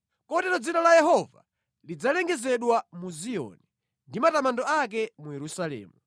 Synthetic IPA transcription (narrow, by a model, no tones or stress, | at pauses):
kɔtɛɾɔd͡zinalajɛɦɔva̰ | lid͡zalɛŋɡɛzɛɗwamuzijɔ̰ni | ndimatamandɔak̬ɛmujɛɾusalɛ̰ːmu